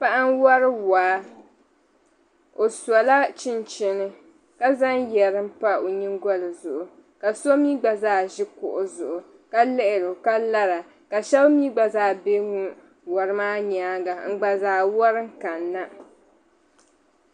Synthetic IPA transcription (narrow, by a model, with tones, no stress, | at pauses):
pa˦ʔa˦nwɔ˦ɾɨ˦waː˨˦ | o˨sa˨la˦t͡ʃɪ˦nt͡ʃɪ˦nɨ˦ | ka˦za˦njɛ˨ɾɨ˦m̩˦pa˦o˨ɲi˦ŋɡɔ˦lɨ˨zʊ˨ʔʊ˨ | ka˨so˦miː˦ɡ͡ba˨zaː˦˨ʒɪ˦kʊ̰˨ʔʊ˨zʊ˨ʔʊ˨ | ka˦lɪ˦ʔɪ˨ɾʊ˨ka˦la˦ɾa˨ | ka˨ʃɛ˦bmiː˦ɡ͡ba˨zaː˦˨be˦ŋu˦ | wɔ˨ɾɨ˦maː˦ɲaː˦ɡa˨m̩˨ɡ͡ba˨zaː˨wɔ˦ɾɨ˦ŋ˦ka˨nːa˦